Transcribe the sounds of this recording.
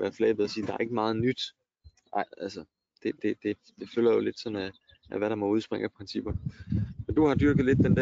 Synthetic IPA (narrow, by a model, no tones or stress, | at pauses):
ʋæːɐflɛːb̥ð̩ˠɐsiːd̥ɑ̈æɐeɡ̥əmɑ̈ːð̩ˠnyd̥ | ɑɪælsə | d̥e̝d̥e̝d̥e̝ | d̥e̝følɐjo̝le̝d̥sɒ̽næ | ʔæʋæɾ̥ɑ̈mɒ̽uð̞ˠsb̥ʁɛŋ̰æpʰʁɛnsib̥ɐnmend̥uhɑ̈d̥yɐɡ̥ð̩ˠle̝d̥̚ːend̥æ